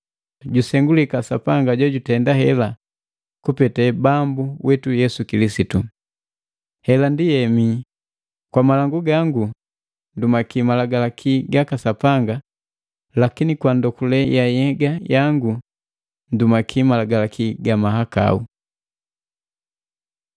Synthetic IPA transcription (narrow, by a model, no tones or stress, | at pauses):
ɟusɛŋɡulikasapaŋɡaɟɔɟutɛndaɦɛla | kupɛtɛbambuwʔɛtujɛsukilisitu | hɛlandijɛmi | kwamalaŋɡuɡaŋɡu | ndumakimalaɡalakʰiɡakasapaŋɡa | lakinikwandɔkulɛjajɛɡajaŋɡu | ndumakʰimalaɡalakʰiɡamaɦaka̰u